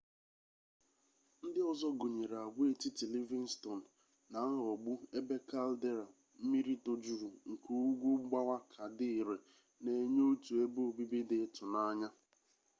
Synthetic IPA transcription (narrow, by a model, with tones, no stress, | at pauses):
n̩˦dɪ˦ɔ˦zɔ˦ɡo˨ɲe˨ɾa˨ɡʷe˨ti˦ti˨li˦vi˦n̩˦stɔ˨n̩˨ | na˨˦ŋ̩˦ɔ˨ɡ͡bʊ˦e˦be˦ka˦lde˦ɾa˨ | m̩˦mi˦ɾi˦to˨d͡ʒu˦ɾu˨ŋ̩˨ku˨u˦ɡʷu˦ɡ͡ba˦wa˦kʰa˨dɪ˦i˨ɾe˨ | ne˨ɲo˦tu˨e˦bo˦o˨bi˦bi˦dɪ˨˦tʊ˨na˦ɲa˦